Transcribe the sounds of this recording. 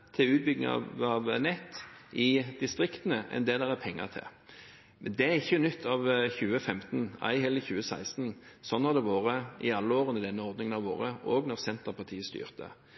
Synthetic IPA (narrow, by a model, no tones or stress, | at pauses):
t̪ʰɪʉːt̪̚bʏɡnɪ̰ɑ̰ɑʋnɛt̪ːɪd̪ɪst̪ʁɪkt̪ənəʔɛ̰nd̪eːd̪ɛʁæpʰɛŋːə̰ʁt̪ʰɪ̰ | mɛnd̪ɛæɾɪçːənʏt̪ʰːɑʋçʉːəfɛmt̪n̩æ̰ɪɦɛlːɪçʉːəsæɪst̪nsɔnːɑʁd̪ɛʋoːɾəɪɑlːəoːʁənəd̪ɛnːəɔʁd̪nɪŋənɑʋo̰ːɾəoːɡnɔʁsɛnt̪əʁpɑʁt̪ʰiːəst̪y̰ːʁt̪ə̰